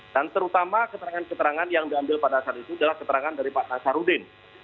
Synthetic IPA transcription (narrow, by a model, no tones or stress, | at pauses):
d̥ant̪əɾut̪amakət̪əɾaŋankət̪əɾaŋanjaŋdiambɪlpadaasatit̪uadalahkət̪əɾaŋandaɾipat̪̚nasaɾudɪn